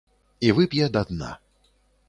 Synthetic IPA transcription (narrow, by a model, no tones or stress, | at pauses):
ivɨpʲjɛd̪ad̪na̰